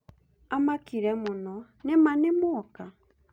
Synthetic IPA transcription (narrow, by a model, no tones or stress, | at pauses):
amakiɾɛmʊnɔ | nɪmanɪmʊɔka